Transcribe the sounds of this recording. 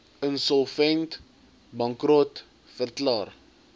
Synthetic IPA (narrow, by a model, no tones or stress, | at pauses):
ənsɔlˠfɛnt | bɐŋkrɔt | fərklɑːr